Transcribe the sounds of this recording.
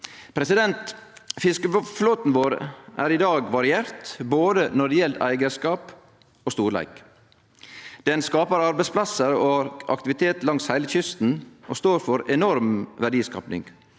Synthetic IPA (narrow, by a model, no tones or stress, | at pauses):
pʰɾɛsɪd̪ɛnt̪fɪskəfloːt̪n̩ʋoːɾʔæːɾɪd̪ɑːɡʋɑɾɪeːɾt̪boːd̪ənɔɖjɛlt̪æ̰ɪɡəskɑːp | oːst̪uːɾɭæ̰ɪk | d̪̥ɛnskɑːpəɾɑɾbæɪspʰlɑsəɾoːɑ̰kt̪ɪʋɪt̪ʰeːt̪lɑŋshæɪləçʏst̪n̩ʔo̰ːst̪oːɾfɔɾɛnɔɾmʋæɖiːskɑ̰ːpnɪ̰ŋɡ